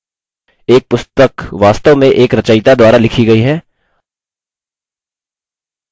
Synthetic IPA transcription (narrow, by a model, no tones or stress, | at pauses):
eːk̚pʊst̪əkʋaːst̪əʋmẽʔeːkɾɐt͡ʃaːɪt̪ad̪waːɾalɪkʰiɡɐiɦɛː